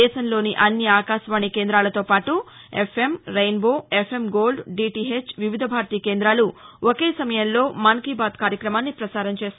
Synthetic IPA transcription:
ɛːʃɐnlo̞ːniʔɐnːiaːkaːʃʋaːɳikeːnd̪ɾaːlɐt̪o̞ːpaːʈuepʰe̞mɾejnboːepʰemɡoːlɖɖiːʈiɦet͡ʃʋiʋid̪ʱɐbʱaːɾt̪iːkeːnd̪ɾaːluoke̞ːsɐmɐjɐnlo̞ːmɐnkiːbaːd̪kaːɾjɐkɾɐmaːnːipɾɐsaːɾɐmt͡ʃe̞ːst̪

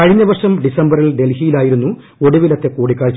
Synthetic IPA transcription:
kɐɻiɲːɐʋɐrʂɐmɖisɐmbɐrilɖe̞lhijilaːjiɾunːu | o̞ɽuʋilɐt̪ːe̞kuːɽikːaːɻt͡ɕː

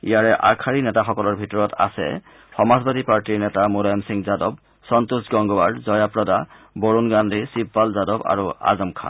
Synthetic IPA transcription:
ḭjaɹɛʔakʰaɹinɛtaxɔkɔlɔɹbʱitɔɹɔta̰sɛ̰ | xɔmazbadipaɹtiɹnɛtamulajɔmsiŋzadɔb̚ | sɔntusɡɔŋɡɔbaɖzɔjapɹɔda | boɹunɡandʱisibːalzadɔba̰ɹua̰zɔmkʰa̰n

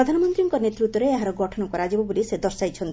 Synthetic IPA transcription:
ɾɔd̪ʱanɔmɔnt̪ɾiɔŋkɔnet̪ɾut̪ːwɔɾeeɦaɾɔɡɔʈʰɔnɔŋkɔɾad͡ʒibɔbolised̪ɔɾsajt͡ʃʰɔnt̪i

